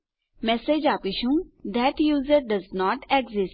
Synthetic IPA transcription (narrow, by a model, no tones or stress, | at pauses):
mɛsed͡ʒaːpiʃũd̪ɛʈjuːzəɾɖɐznɔːʈɛɡzɪs